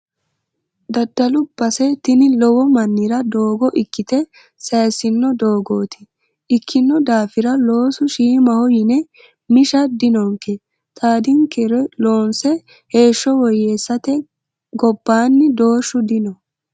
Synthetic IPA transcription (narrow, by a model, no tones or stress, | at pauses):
d̪ɐd̪ːɐlʊbːɐsɛt̪ɪnɪlɔwɔmɐnːɪɾɐd̪oːɡɔʔɪkːɪt̪ɛ | sɐjsɪnːɔd̪o̞ːɡoːt̪ɪ̥ | ʔɪkʰːɪnːɔd̪aːfɪɾɐloːsʊʃiːmɐhɔjɪnɛ | mɪʃɐd̪ɪnɔŋkːɛ | t̪ʼaːd̪ɪŋkɛɾɛlo̞ːnsɛ | he̞ːʃːɔwɔjːeːsːɐt̪ɛ | ɡɔbːaːnːɪd̪o̞ːʃːʊd̪ɪnɔ